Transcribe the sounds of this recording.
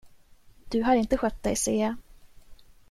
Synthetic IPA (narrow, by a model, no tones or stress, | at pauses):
d̪̥ɵɦaɾɪnt̪əɧœt̪̚d̪ɛjseː